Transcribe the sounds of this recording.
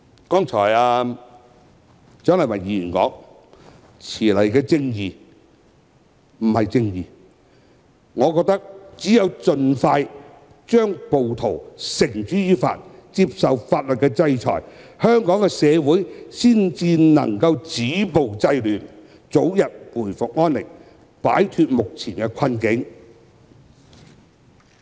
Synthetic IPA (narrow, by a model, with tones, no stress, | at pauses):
kɔː˥ŋt͡ʃʰɔː˨˩jaː˧ | t͡sœː˥ŋlɐ˨˩mɐ˨˩jjiː˧jiː˨˩nkɔ̰ː˨˥ŋ | t͡sʰiː˨˩lɐ˨˩jkɛː˧t͡sɪ˧ŋjiː˨ | m̩˨˩hɐ˨jt͡sɪ˧ŋjiː˨ | ŋɔː˨˧kɔː˧k̚t̪ɐ˥k̚t͡siː˨˥jɐ˨˧wt͡ʃɵ˧nfaː˧j | t͡ʃœː˥ŋpo˨wt̪ʰo˨˩wsɪ˨˩ŋt͡ʃyː˨˥jyː˧˥fa̰ː˧t̚t͡si˧˥p̚sɐ˨wfaː˧t̚lɵ˨t̚kɛ˧t͡sɐ˧jt͡ʃʰɔ̰ː˨˩jhœː˥ŋkɔː˨˥ŋkɛ˧sɛː˨˧wuː˨˥jsiː˥nt͡siː˧nɐ̰˨˩ŋkɐ˧wt͡siː˨˥po˨wt͡sɐ˧jlyː˨˩n | t͡so˨˥wjɐ˨t̚puː˨˩jfʊ˨k̚ŋɔː˥nlɪ̰˨k̚ | pa̰ː˨˥jt̪ʰyː˧t̚mʊ˨k̚t͡sʰiː˨˩nkɛ˧kʷʰɐ˧nkɪ˨˥ŋ